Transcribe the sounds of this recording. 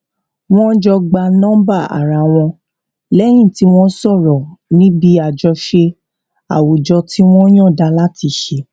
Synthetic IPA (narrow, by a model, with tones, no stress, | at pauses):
w̃ɔ̃˦d͡ʒɔ˧ɡ͡ba˧nɔ̃˦ba˦˨a̰˨ɾa˧˨w̃ɔ̃˧ | lɛ˦j̃ĩ˦˨ti˦w̃ɔ̃˦sɔ˦˨ɾɔ˨nĩ˦bi˧˦a˨d͡ʒɔ˧ʃe˧ | a̰˨wo˨d͡ʒɔ˧ti˦w̃ɔ̃˦j̃ɔ̃˦˨da˧la˦ti˧˨ʃe˧